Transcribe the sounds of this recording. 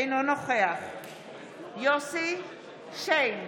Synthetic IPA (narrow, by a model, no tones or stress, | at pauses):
jnonoχeaχ | josi | ʃejn